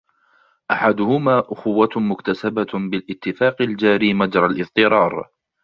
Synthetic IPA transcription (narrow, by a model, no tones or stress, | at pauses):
ʔaħad̪ʊhʊmaːʔʊxʊwːamʊkt̪asababɪlʔɪt̪ːɪfaːqald͡ʒaːɾiːmad͡ʒɾˤalʔɪfˤt̪ˤɨɾˤɑːɾˤ